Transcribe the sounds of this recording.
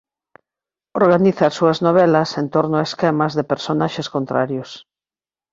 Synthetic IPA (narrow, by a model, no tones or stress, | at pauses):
oɾɣaniθaːsuɐznoβ̞ɛlɐsent̪oɾnʊaeskɛmazðepeɾsonaʃeskont̪ɾa̰ɾjʊs